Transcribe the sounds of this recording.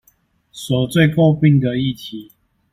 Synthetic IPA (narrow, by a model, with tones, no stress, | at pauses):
swɔ˨˩t͡swe˥˨ɪko˥˧ʊpi˥˨ŋd̪ə˨i˥˨t̪ʰi˨˦